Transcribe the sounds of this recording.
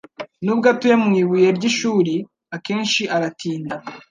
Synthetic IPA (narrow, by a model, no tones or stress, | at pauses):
nubɡatujamŋiːβujeɾɟiʃuːɾi | ake̞ːnʃiʔaɾatʰiːnda